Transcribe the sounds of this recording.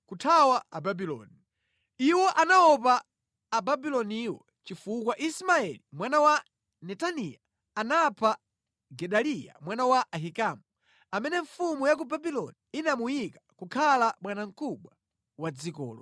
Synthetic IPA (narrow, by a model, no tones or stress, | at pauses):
kutʰawaababilɔ̰ːni | iwɔʔanaɔp̬aː | babilɔniːwɔ | t͡ʃifukwaʔismaɛlimwanawa | nɛtanija | anapʰa | ɡɛɗalija̰mwanawaʔaɦikamu | amɛnɛɱfumujak̬ubabilɔ̰niinamujikakukʰalaɓwanaŋ̩kʰuɓwa | wad͡zikɔ̰ːlɔ̰